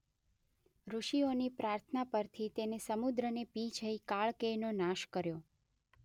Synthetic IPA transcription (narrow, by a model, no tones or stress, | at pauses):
ɾuʃionipɾaɾt̪ʰənapəɾt̪ʰit̪enesəmud̪ɾənepit͡ʃʰəikaɭkenonãʃkəɾjo